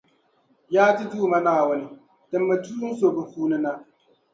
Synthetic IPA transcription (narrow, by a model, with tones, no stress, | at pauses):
jaː˦ti˦duː˦˨ma˦naː˦˨wʊ˦ni˦ | dɨ˨mːa˨tuː˦ŋ˦so˨bɨ˨fuː˦nɨ˦na˦